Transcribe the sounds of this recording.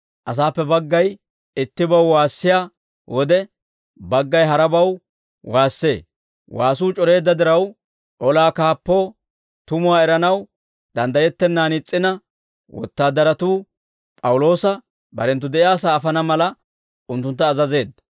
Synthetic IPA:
ʔɐs̬aːpːɛbɐɡːɐj | ɪt̪ːɪbɐwwaːsːɪjaː | wɔd̪ɛ | bɐɡːɐjɦɐɾɐbɐw | waːsːe̞ː | waːs̬uːt͡ʃʼɔɾe̞ːd̪ːɐd̪ɪɾɐw | ʔɔlaːkaːpːo̞ː | t̪ʊmʊwaːɛɾɐnɐw | d̪ɐnd̪ɐjɛt̪ːɛnːaːnɪt͡sʼːɪnɐ | wɔ̰t̪ːaːd̪ɐɾɐt̪uː | pʼɐwʊlo̞ːsɐ | bɐ̰ɾɛnt̪̬ːʊd̪ɛʔɪjaːsaːfɐnɐmɐlɐ | ʊnt̪ːʊnt̪ːɐːzɐze̞ːd̪ːɐ̥

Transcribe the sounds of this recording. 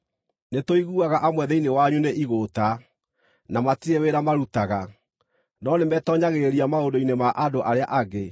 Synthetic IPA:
netoiɣuaɣaʔamwɛðɛinewaɲuneʔiɣota | namatieweɾamaɾutaɣa | nɔnemɛtɔɲaɣeɾiamaondoinemaʔadoʔaɾeaʔaɡe

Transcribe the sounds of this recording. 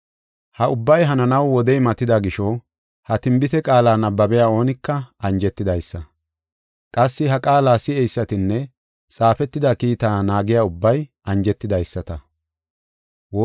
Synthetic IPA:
hɐʊbːɐjɦɐnɐnɐwːɔd̪ɛjmɐt̪ːɪd̪aɡɪʃɔ | hɐt̪ɪmbɪt̪ɛkʼaːlaːnɐbːɐbɛjaːo̞ːnɪkːɐɐnd͡ʒɛt̪ːɪd̪ɐjsːɐ | kʼɐsːɪɦɐkʼaːlaːsɪɛjsːɐt̪ɪnːɛ | t͡sʼaːfɛt̪ːɪd̪ɐkiːt̪aːnaːɡɪjaːʊbːɐj | ɐnd͡ʒɛt̪ːɪd̪ɐjsːɐt̪ɐ | woː

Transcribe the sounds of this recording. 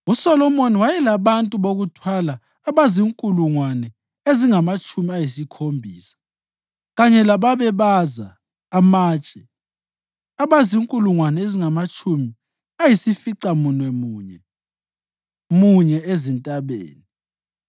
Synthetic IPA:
usɔlɔmoniwajɛlaβantʼuβoɣutʰwalaː | βaziŋkʼuluŋwanɛ | eziŋamat͡ʃʼumiajisikʰombʱiːsḁ | ɣaɲɛlaβaβɛβaza̰ː | maːt͡ʃʼɛ | aβaziŋkʼuluŋwanɛeziŋamat͡ʃʼumi | ajisifiǀamunwɛmuːɲɛ | muɲɛezintʼaβḛːni

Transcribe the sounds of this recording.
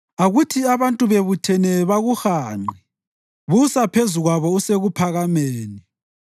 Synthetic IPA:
aɣutʰiaβantʼuβeβutʰɛnɛβaɣuxaːŋ͡ǃʱi | βusapʰezuɣwaβɔuseɣupʰaɣameːni

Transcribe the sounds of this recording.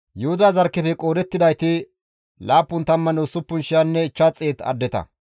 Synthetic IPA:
jʊhʊd̪ɐzɐɾkːɛfɛkʼoːɾɛt̪ːɪd̪ɐjt̪ɪ | laːpːʊnt̪ɐmːɐnosʊpːʊnʃɪjanːɛɪt͡ʃːat͡sʼːeːt̪ɐ̰d̪ːɛt̪ɐ̰

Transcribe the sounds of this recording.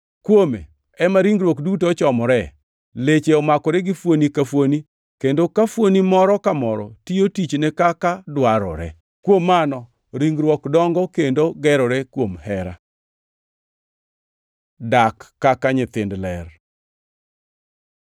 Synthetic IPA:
kwomḛ | ɛmaɾiŋɡɾwɔkdutot͡ʃɔmɔɾɛ | let͡ʃeɔmakɔɾɛɡɪfwonikafwoni | kendokafwonimɔɾɔkamɔɾɔ̰tijotit͡ʃnɛkakadwaɾɔ̰ɾɛ̰ | kwomːanɔ | ɾiŋɡɾwɔkdɔŋɡɔkendoɡɛɾɔɾɛkwomhɛɾa̰ | dakːakaɲɪt̪ɪndlɛr

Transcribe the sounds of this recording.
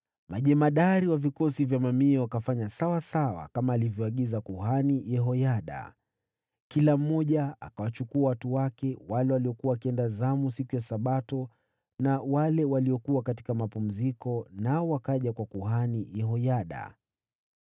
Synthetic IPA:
maʄɛmaɗaɾiwavikɔsivjamamiawakafaɲasawasawa̰kamaːlivjɔaɠizakuhanijɛɦɔjaɗa̰ | kilam̩mɔʄaa̰kawat͡ʃukuawatuwakɛwalɛwaliɔkuawakiɛndazamusikujasaɓatɔ | nawalɛwaliɔkuakati̥kamapum̩zikɔnaɔwakaʄakwakuhanijɛɦɔjaɗa̰

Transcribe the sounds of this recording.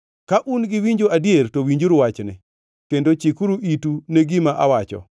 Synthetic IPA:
kaʔunɡɪwiɲd͡ʒoadjertowiɲd͡ʒuɾwat͡ʃnɪ̰ | kendot͡ʃikuɾuʔituneɡɪmaʔa̰wat͡ʃɔ̰

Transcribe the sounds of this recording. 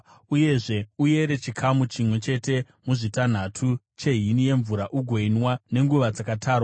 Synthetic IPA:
uje̞ʐe̞uje̞ɾe̞t͡ʃikʰamut͡ʃimwe̞t͡ʃe̞te̞ | muʐitan̤atʰu | t͡ʃe̞ɦinije̞ɱvuɾaʔuɡʱoinwane̞ŋɡuʋad͡zakataːrwa

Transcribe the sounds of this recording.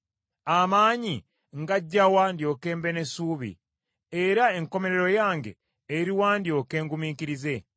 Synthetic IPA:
amaːɲi | ŋɡaɟːawaːndjo̞ke̞ːmbe̞nesuːβḭ | eɾae̞ŋko̞me̞ɾe̞ɾo̞jaːŋɡe̞̰ː | ɾiwaːndio̞ke̞ːŋɡumiːkiɾize̞

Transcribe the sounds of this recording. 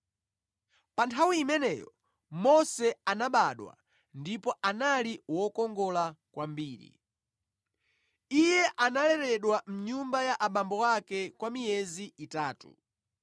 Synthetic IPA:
pantʰawiːmɛnɛjɔ | mɔsɛanaɓaɗwa̰ | ndipɔʔanaliwɔkɔŋɡɔlakwambiːɾḭ | ijɛʔanalɛɾɛɗwam̩ɲumbajaʔaɓambɔwakɛkwamijɛziitaːtṵ

